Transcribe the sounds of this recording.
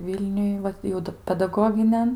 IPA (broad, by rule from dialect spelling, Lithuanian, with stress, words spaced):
ˈʋʲiːlʲnʲʊj ˈʋɐt jɛʊ ˈdɐ pʲɛdɐˈɡoːɡʲɪnʲɛn